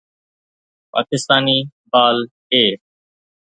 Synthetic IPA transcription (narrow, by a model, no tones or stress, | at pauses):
pa̰ːkɪst̪aːniːbaːl | eː